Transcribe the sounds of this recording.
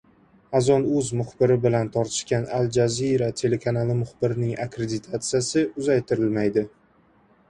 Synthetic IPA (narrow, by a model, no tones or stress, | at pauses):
azɒnɵzmʊχbɪɾɪbɪlant̪ʰɒɾt̪ʰɪ̥ʃkʲanald͡ʒaziɾat̪ʰe̞le̞kʰanalˠɪmʊχbɪɾnɪŋakɾe̞d̪ɪt̪ʰat̪sɨjasɪʊzajt̪ʰɪɾɪlmajd̪ɪ